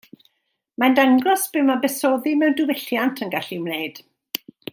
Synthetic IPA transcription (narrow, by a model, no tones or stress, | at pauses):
mandaŋɡɔsb̥ɪmabɛsɔðimɛwndɪwɛɬjantʰənɡaɬiwmnejd̥